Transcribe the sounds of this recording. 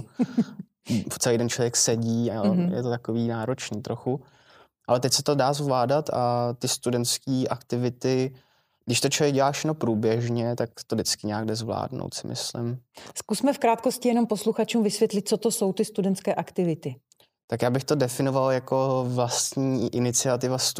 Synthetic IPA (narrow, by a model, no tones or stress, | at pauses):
t͡sɛlejdɛnt͡ʃlovjɛksɛɟiːajɛ̰t̪ot̪akoviːnaːɾot͡ʃniːt̪ɾo̞xu | ʔalɛt̪ɛcʲsɛt̪o̞daːzvlaːdat̪at̪ɪst̪udɛnt̪skiːʔakt̪ɪvɪt̪ɪ | ɡdɪʃt̪ot͡ʃovjɛɡɟɛlaːʃanopɾuːbjɛʒɲɛt̪ak̚t̪o̞dɪt͡skɪɲɛaːɡdɛzvla̰ːdno̰wt̪sɪ̰mɪ̰slɪ̰mskusmɛfkɾaːt̪̚ko̞scɪjɛno̞mpo̞sluxat͡ʃuːmvɪsvjɛt̪lɪt̪̚t͡sot̪oso̞wt̪ɪst̪udɛnt̪skɛːʔakt̪ɪvɪt̪ɪ | t̪akjaːbɪxt̪o̞dɛfɪno̞valjako̞vlast̪ɲiːʔɪnɪt͡sɪat̪ɪvast̪